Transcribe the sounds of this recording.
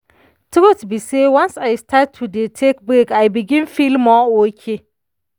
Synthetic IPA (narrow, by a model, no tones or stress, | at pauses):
tʰumɔtbisewãnsajstʰatʰːudetʰek̚bekajbiɡɪ̃nfilmɔokʲʰe